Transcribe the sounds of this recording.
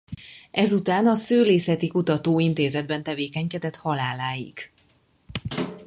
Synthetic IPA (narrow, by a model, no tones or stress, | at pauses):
ʔɛzut̪aːnɒsøːleːsɛt̪ikut̪ɒt̪oːint̪eːzɛd̪̚bɛnt̪ɛveːkɛɲkɛd̪ɛt̪hɒlaːlaːjḭɡ̥